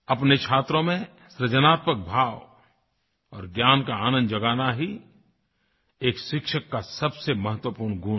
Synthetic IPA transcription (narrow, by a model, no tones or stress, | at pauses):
ɐpnet͡ʃʰaːt̪ɾõmẽ | sɾəd͡ʒənaːt̪mək̚bʱaːʋ | ɔːɾɡjaːnkaaːnə̃nd̪d͡ʒɐɡaːnaɦi | eːkʃɪkʃəkːasɐbsemɐɦət̪wəpuːɾnɡʱuːn